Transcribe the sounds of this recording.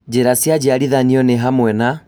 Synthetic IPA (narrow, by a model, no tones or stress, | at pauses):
d͡ʑeɾasjad͡ʑeaɾiðaniɔneɦamwɛna